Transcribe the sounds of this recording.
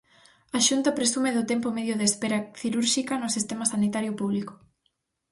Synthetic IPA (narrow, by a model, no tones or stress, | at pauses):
aʃunt̪ɐpɾesumeðʊt̪empomeðjʊðeːspeɾɐθiɾuɾʃikɐnʊsist̪emɐsanit̪aɾjʊpuβlikʊ̥